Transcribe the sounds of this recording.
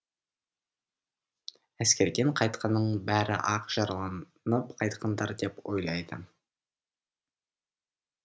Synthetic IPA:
æskʲe̞ɾɡʲe̞ɴqʰɑjt̪̚qʰɑnːəɴbæɾɪ̰ʔɑqʒ̥ɑɾlˠɑn | nəpqʰɑjt̪qʰɑnd̪ɑɾd̪e̞pwo̞̰jlˠɑjd̪ə

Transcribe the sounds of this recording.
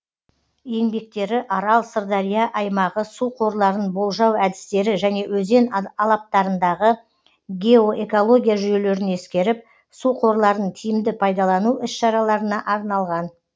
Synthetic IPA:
je̞ŋbe̞k̚t̪e̞ɾɪʔɑɾɑlˠsəɾd̪ɑɾijɑʔɑjmɑʁəsuqʰo̞ɾlˠɑɾənbo̞lˠʒɑwæd̪ɪ̥st̪e̞ɾɪʒæne̞wɵze̞nɑlˠɑp̚t̪ɑɾənd̪ɑʁə | ɡʲe̞o̞ʔe̞ko̞lˠo̞ɡʲijaʒʏje̞le̞ɾɪne̞skʲe̞ɾɪp̚ | suqʰo̞ɾlˠɑɾənt̪ʰijɪmd̪ɪpʰɑjd̪ɑlˠɑnuʔʏsʃɑɾɑlˠɑɾənɑʔɑɾnɑlˠʁɑn

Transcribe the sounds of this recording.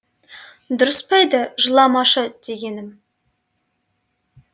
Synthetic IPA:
d̪ʊɾəspɑjd̪əʒəlˠɑmɑʃəd̪̥e̞ɡʲe̞nɪm

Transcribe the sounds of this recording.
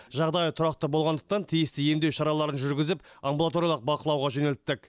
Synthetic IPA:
ʒɑʁd̪ɑjət̪ʰʊɾɑq̚t̪əbo̞lˠʁɑnd̪əq̚t̪ɑnt̪ʰijɪst̪ɪje̞md̪e̞wʃɑɾɑlˠɑɾənʒʏɾɡʲɪzɪpɐmbulˠat̪o̞ɾijalˠəq̚bɑqəlˠɑwʁɑʒɵne̞lt̪ːɪk

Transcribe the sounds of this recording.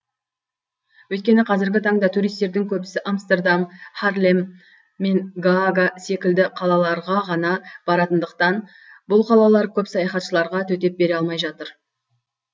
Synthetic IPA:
wɵt̪̚kʲe̞nɪqʰɑzɪɾɡʲɪt̪ʰɑɴd̪ɑt̪ʰuɾijst̪e̞ɾd̪ɪŋkʲʰɵbɪsɪʔamst̪e̞rd̪amχarlʲemː | e̞ŋɡɡase̞kʲɪld̪ɪqʰɑlˠɑlˠɑɾʁɑʁɑnɑb̥ɑɾɑt̪ənd̪əq̚t̪ɑn | bʊlˠqʰɑlˠɑlˠɑɾkʲʰɵpsɑjɑχɑt̪ʃəlˠɑɾʁɑt̪ʰɵt̪e̞p̚be̞ɾeɑlˠmɑjʒɑt̪əɾ

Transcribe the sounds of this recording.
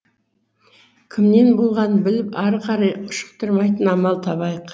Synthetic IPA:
kʲʰɪmne̞nbolˠʁɑnbɪlɪpɑɾqʰɑɾɑjʊʃə̥q̚t̪əɾmɑjt̪ənɑmɑlˠt̪ʰɑbɑjəq

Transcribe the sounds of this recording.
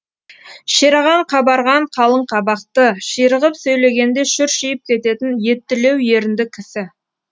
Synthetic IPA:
ʃeɾɑʁɑɴqʰɑbɑɾʁɑɴqʰɑlˠəɴqʰɑbɑqt̪əʃijɾəʁəpsɵjle̞ɡʲe̞nd̪e̞ʃʏɾʃijɪp̚kʲʰe̞t̪e̞t̪ɪnje̞t̪ːɪle̞wje̞ɾɪnd̪ɪkʲʰɪsɪ

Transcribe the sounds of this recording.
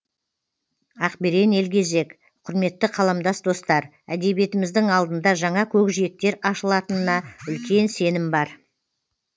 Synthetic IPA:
ɑqbeɾe̞ne̞lkʲe̞ze̞k | qʰʊɾme̞t̪ːɪqʰɑlˠɑmd̪ɑsd̪o̞st̪ɑɾ | æ̰d̪e̞βbie̞t̪ɪmɪzd̪ɪŋɑlˠd̪ənd̪ɑʒɑɴɑkʲʰɵkʒije̞k̚t̪e̞ɾɑʃəlˠɑt̪ənənɑʏlkʲe̞nse̞nɪmbɑɾ

